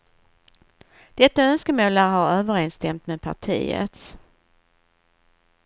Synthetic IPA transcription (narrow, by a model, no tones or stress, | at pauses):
d̪̥ɛt̪ːaœnskəmoːlaɾɦaɾøːvəɾeːnst̪ɛmt̪meːd̪̚pʰa̰ʈʰḭːə̰t̪s